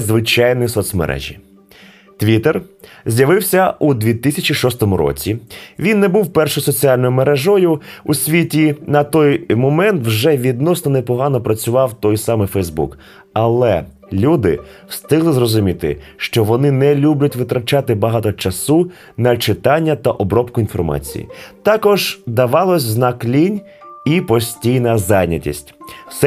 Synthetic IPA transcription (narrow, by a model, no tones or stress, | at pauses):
zʋɪt͡ʃɑjnjisɔt̪sʲmḛɾʔɛ̰ʒʲḭ | t̪ʋʲit̪erzʲjɐʋɪwsʲɐud̪ʲʋʲit̪ɪsʲɐt͡ʃiʃɔst̪ɔmʊɾɔ̰t͡sʲiʋʲinːɛbuwpɛrʃɔjsɔt͡sʲiɑlʲnɔjʊmeɾɛʒɔjʊusʲʋʲitʲinɐt̪ɔjmɔmɛnt̪wʒɛʋʲid̪nɔsnɔnɛpɔɦɑnɔpɾɐt͡sʲʊʋɑwt̪ɔjsɑmɪfɛjzbṵk | ɐlˠɛ̰ | lʲud̪ɪ̰ | wst̪ɪɦlˠɪzrɔzʊmʲit̪ɪ̰ʃt͡ʃɔʋɔnɪnɛlʲubʲlʲʊtʲʋɪt̪ɾɐt͡ʃat̪ɪbɐɦɑt̪ɔt͡ʃɐsu | nɐt͡ʃɪt̪ɑnʲːɐt̪ɐʔɔbɾɔpkʊinfɔ̰rmɑ̰t͡sʲḭjḭt̪ɑkɔʒd̪ɐʋɑlˠɔsʲznɑklʲinʲ | ipɔsʲtʲijnɐzɑjnʲɐtʲḭsʲtʲsɛ